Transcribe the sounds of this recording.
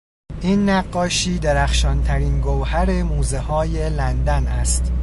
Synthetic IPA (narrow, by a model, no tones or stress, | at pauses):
ʔiːnːæɡːɒːʃiːd̪eɾæxʃɒːnt̪ʰæɾiːnɡowhæɾe̞muːzehɒːje̞lænd̪ænæst̪